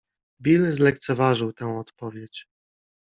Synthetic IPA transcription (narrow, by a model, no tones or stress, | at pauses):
bʲilzlɛkt̪sɛvaʐɘwt̪ɛ̃w̃ɔt̪pɔvʲjet͡ɕ